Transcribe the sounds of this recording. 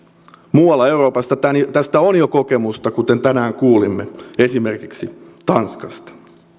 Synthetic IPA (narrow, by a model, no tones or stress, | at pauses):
muːɑlːɑewro̞ːpɑst̪ɑt̪ænjt̪æst̪æonjokokemust̪ɑkut̪ent̪ænæːŋkuːlimːee̞simerkiksit̪ɑnskɑst̪ɑ̥